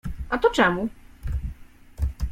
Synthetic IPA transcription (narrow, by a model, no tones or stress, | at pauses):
ʔat̪ɔt͡ʂɛmu